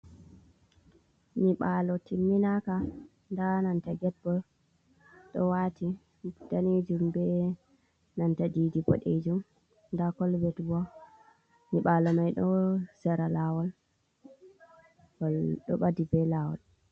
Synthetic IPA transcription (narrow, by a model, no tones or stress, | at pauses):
niɓalɔtimːinaka | ndanantaɡɛbɔ | ɗɔwati | d̥aned͡ʒumbɛ | nantadidibɔ̰ɗed͡ʒum | ndakɔlbɛtbɔ | niɓalɔmajɗɔsɛɾalaːwɔl | walɗɔ̰ɓadibɛlawɔ̰l